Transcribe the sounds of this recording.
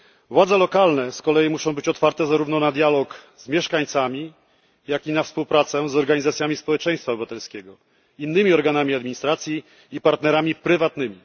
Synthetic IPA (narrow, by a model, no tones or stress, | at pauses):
vwad̪zɛlɔkalnɛskɔlɛjimuʂɔ̃w̃bɘt͡ɕɔt̪faɾt̪ɛzaɾuvnɔnad̪jalɔk | zmʲjɛʂkaɲt̪samʲi | jakinafspuwpɾat̪sɛzɔɾɡaɲizat̪sʲjamʲispɔwɛt͡ʂɛ̃j̃st̪fabɘvat̪ɛlskʲɛɡɔ | inːɘmʲiɔɾɡanamʲiad̪mʲiɲist̪ɾat̪sʲjiː | paɾt̪nɛɾamʲipɾɘvat̪nɘmʲi